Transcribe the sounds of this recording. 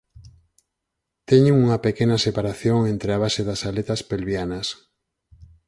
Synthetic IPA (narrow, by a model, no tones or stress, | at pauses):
t̪eɲuŋuŋapekenasepaɾaθjoŋent̪ɾeaβ̞aseðasalet̪aspelβjanas